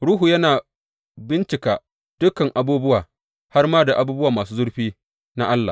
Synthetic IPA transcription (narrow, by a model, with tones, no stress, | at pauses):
ɽuː˦ɦuː˨jɐ˦naː˨ | bɪ˦nt͡ʃɪ˨kaː˨ | d̥ʊ˦kɐ˨ŋʔa˨buː˦bʊ˦waː˨ | ha˦rmaː˦da˨ʔa˨buː˦bʊ˦waː˨maː˨suː˦zʊ˦ɽɸiː˦ | na˦ʔa˦lːaː˨